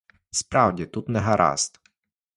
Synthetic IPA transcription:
spɾɑwdʲit̪ut̪nɛɦaɾʔɑ̰st̪

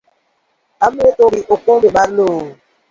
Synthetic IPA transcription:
ametoɾiʔokõbeɓaɾloː

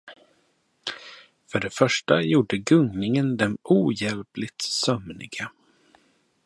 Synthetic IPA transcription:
fœɖɛfœʂʈajuːɖəɡɵŋnɪŋənd̪ɛmuːjɛlplɪt̪sœmnɪ̰ɡa

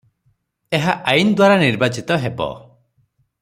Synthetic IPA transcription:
eɦaʔajnd̪waɾaniɾbat͡ʃit̪ɔɦebɔ̰

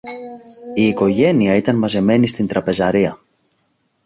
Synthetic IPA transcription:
iːko̞ʝe̞niɐit̪ɐnmɐze̞me̞nist̪int̪ɾɐpe̞zɐɾiɐ

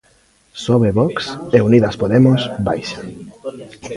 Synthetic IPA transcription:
sɔβeβɔkseuniðaspoðemosbajʃḁ

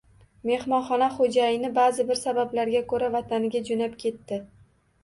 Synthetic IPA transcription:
me̞hmɒnχɒnaχod͡ʒajɪnɪbaːzɪbɪɾsabablaɾɡʲakʰɵɾavat̪ʰanɪɡʲad͡ʒonapkʲʰe̞t̪ːɪ

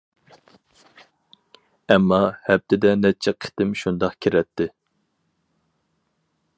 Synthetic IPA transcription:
ɛmːɑhɛp̚t̪ɪd̪ɛnɛt͡ʃʰɛqʰɪ̥t̪ɪmʃund̪ɑqkʲʰiɾɛt̪ʰːɪ

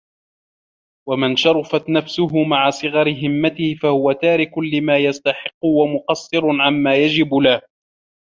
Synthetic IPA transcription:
wamanʃɑɾˤʊfat̪nafsʊɦʊmaʕasˤɨɣɑɾɪɦɪmːat̪ɪhɪfahʊwat̪aːɾɪkʊlɪmaːjast̪aħɪqːʊwamʊqɑsˤːɨɾʊʕammaːjad͡ʒɪbʊlah

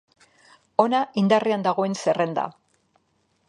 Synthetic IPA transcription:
o̞naʔind̪ariand̪aɣ̞o̞e̞nse̞re̞nd̪a̰

